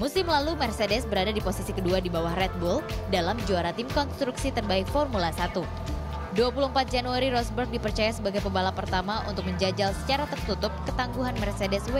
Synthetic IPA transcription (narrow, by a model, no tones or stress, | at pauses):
musɪmlalumɛrsedɛsbəɾadadiposisikəduadibawahrɛt̪̚buldalamd͡ʒuaɾat̪ɪmkɔnst̪ɾuksit̪ərbaɪkfɔrmulasat̪u | duapuluəm̩pat̪̚d͡ʒanuaɾiɾɔsbərk̚dipərt͡ʃajasəbaɡajpəbalapərt̪amaʔṵnt̪ʊk̚məɲd͡ʒad͡ʒalsə̥t͡ʃaɾat̪ərt̪ut̪ʊp̚kət̪aŋɡuɦanmɛrsedɛswe